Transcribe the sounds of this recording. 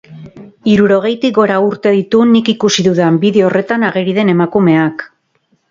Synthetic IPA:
iɾuɾo̞ɣ̞e̞jt̪iɡo̞ɾauɾt̪e̞ðit̪unikikusiðuðambiðeorʔe̞t̪anaɣeɾiðe̞ne̞makume̞ak

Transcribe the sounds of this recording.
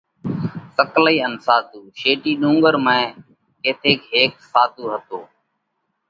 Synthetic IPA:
səkliːənsaːt̪uːʃeːʈiːɗũːŋɡəɾmẽː | keːt̪ʰeːkɦeːk̚saːt̪uːɦət̪oː

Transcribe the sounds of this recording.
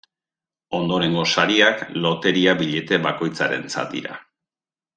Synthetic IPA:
o̞nd̪o̞ɾe̞ŋɡo̞saɾiaklo̞t̪e̞ɾiaβiʎe̞t̪e̞βako̞jt͡saɾe̞̰nt͡sa̰t̪̚d̪ḭɾa̰

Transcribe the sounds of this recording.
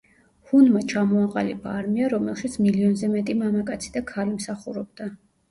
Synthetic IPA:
hunmat͡ʃʰamɔaqʼa̰libaːɾmiaɾɔmɛlˠʃit̪sʰmiliɔnzɛmɛt̪ʼimamakʼat̪sʰid̪akʰalimsaχuɾɔbd̪̥a

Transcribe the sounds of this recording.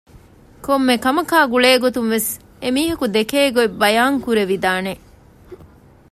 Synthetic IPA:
komːekɐmɐkaːɡuɭeːɡot̪uŋʋes | emiːɦɐkud̪ekeːɡoebɐjaːŋkuɾeʋid̪aːne

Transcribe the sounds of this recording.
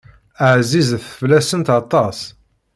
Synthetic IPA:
əʕzizθəvlæsənt̪ɑt̪ˤːɑs

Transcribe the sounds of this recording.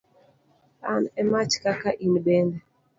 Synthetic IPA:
anɛmat͡ʃkakaʔimɗɛnda

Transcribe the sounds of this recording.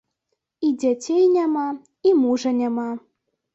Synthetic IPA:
id͡zʲat͡sʲejnʲama | imuʐɐnʲama

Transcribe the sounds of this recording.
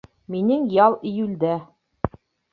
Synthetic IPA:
minɘŋjɑlˠĭjʉld̪æ

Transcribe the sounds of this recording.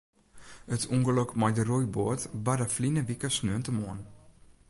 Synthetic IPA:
ətʰuŋɡəlɔkmajdərujboətbadəflinəʋikəsnøəntəmoən

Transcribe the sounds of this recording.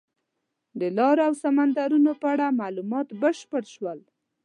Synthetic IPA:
d̪əlɑɾoawsamand̪aɾunopəaɽamɑlumɑt̪bəʃpəɽʃwəl

